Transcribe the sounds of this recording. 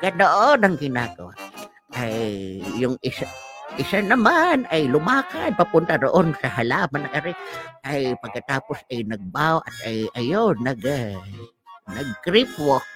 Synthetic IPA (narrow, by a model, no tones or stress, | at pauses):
kanoʔonɐŋɡɪnaːɡawa̰ | ʔajːʊŋʔɪsaʔɪsanɐmanʔajlʊmaːkan̚papʊnt̪adoʔonsahalaːbanakaɾɪʔajpɐɡ̚kat̪aːposajnɐɡ̚bawʔat̪ajajonaɡa | naɡ̚kɾipwo